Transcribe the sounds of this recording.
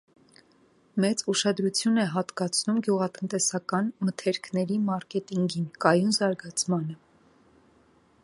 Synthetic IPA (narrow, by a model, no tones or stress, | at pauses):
mɛt͡suʃɑd̪ɾut͡sʰjunɛɦɑt̪kɑt͡sʰnumɡjuʁɑt̪ənt̪ɛsɑkɑnmət̪ʰɛɾkʰnɛɾimɑɾkɛt̪iŋɡinkɑjunzɑɾɡɑt͡sʰmɑnə